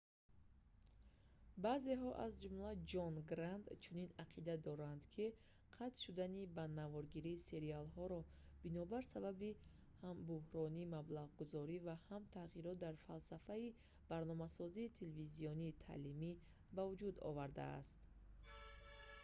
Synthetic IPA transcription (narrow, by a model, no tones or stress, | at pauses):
baze̞ɦɔʔazd͡ʒumlad͡ʒɔnɡɾand̪t͡ʃʰuninaqʰid̪ad̪ɔɾand̪kʰi | qʰat̪ʃud̪anibanavɔɾɡiɾiːse̞ɾialɦɔɾɔ | b̥inɔbaɾsababi | hambuhɾɔniːmablaʁɡuzɔɾivahamt̪ʰaʁiɾɔt̪̚d̪aɾfalsafai | b̥aɾnɔmasɔziːt̪ʰeleviziɔniːt̪ʰa̰limi | bavud͡ʒud̪ɔ̰vaɾd̪a̰ːst̪